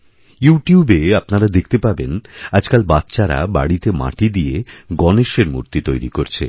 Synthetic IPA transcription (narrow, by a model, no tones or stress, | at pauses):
juʈijubeapnaɾad̪ekʰt̪epabenad͡ʑkalbat̪ːɕaɾa̰ba̰ɽit̪ema̰ʈid̪ijeɡɔneʃeɾmṵɾt̪it̪ojɾikoɾt͡ɕʰḛ